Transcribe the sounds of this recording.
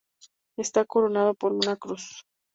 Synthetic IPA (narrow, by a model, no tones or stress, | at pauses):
est̪ako̞ɾo̞nað̞opo̞ɾunakɾus